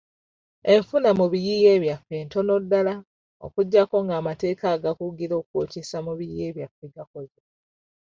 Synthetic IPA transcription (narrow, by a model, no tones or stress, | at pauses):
e̞ɱfunamuβijije̞ːβjafe̞ːnto̞no̞dːala | o̞̰kuɟːako̞ŋɡaːmate̞ːkaːɡakuɡiɾo̞ːkocesamuβijije̞ːβjafeɡakoze